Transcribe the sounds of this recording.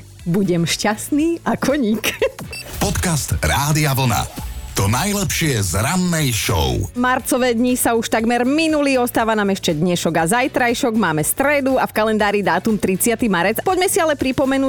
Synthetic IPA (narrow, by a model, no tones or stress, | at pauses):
buɟɛmʃcasniːakʰɔɲikpɔt̪kast̪ɾaːd̪iaʋl̩na̰t̪ɔnajlɛpʃɪɛzɾanːɛjʃɔ̰ʊmaɾt͡sɔʋɛːd̪ɲisauʃt̪aɡmɛɾminuliːɔst̪aːʋanamɛʃt͡ʃɛd̪ɲɛʃɔɡazajt̪ɾajʃɔɡmaːmɛst̪ɾɛd̪uafkalɛnd̪aːɾid̪aːt̪umt̪ɾit͡sɪat̪imaɾɛd͡zpɔɟmɛsialɛpɾipɔmɛnuː